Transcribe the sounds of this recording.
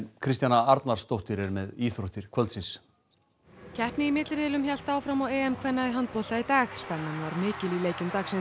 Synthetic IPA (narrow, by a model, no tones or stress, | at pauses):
nkʰɾɪst̪janaaɾt̪naɾ̥rst̪owht̪ɪɾɛɾmɛðiːθɾoht̪ɪɾ̥kʰvœlt̪sɪns | cʰɛhpnɪimɪt̪lɪɾɪlʏmçal̥t̪aːwfɾamawɛːɛmkʰvɛnːaðiɦant̪̚pɔl̥t̪ait̪aːxspɛnːanvaɾmɪːcɪlileːjcʏmt̪aːxsɛn